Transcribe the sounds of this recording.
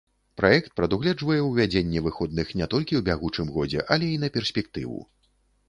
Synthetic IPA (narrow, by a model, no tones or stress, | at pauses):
pɾʔajɛkt̪̚pɾɐd̪uɣlʲɛd͡ʐvɐjɛwvʲad͡zʲenʲːɛvɨxɔd̪̚nɨxnʲɛt̪ɔlʲkʲiwbʲaɣut͡ʂɨmɣɔd͡zʲɛ̰ʔɐlʲɛinɐpʲɛrsʲpʲɛk̚t̪ɨ̰vṵ